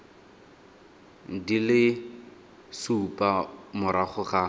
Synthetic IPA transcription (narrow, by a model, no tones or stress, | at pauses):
dilɪ | supʼamʊɾaχʊχa